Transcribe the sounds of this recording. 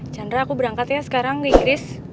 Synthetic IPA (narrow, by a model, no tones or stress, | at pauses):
t͡ʃandɾaːkubəɾaŋkat̪jasə̥kaɾaŋkəiŋɡɾɪs